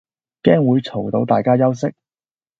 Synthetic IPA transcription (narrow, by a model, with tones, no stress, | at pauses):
kɛː˥ŋwuː˨˧jt͡sʰo˨˩wt̪o˨˥wt̪aː˨jkaː˥jɐ˥wsɪ˥k̚